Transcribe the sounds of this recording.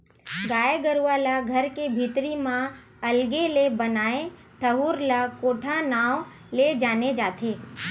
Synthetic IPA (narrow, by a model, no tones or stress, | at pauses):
ɡaːjɡəɾuʋalaɡʱəɾkebʱit̪ɾimã | əlɡelebənaːẽ | t̪ʰəɦuːɾlakoːʈʰanaːʋ | led͡ʒaːned͡ʒaːt̪ʰeː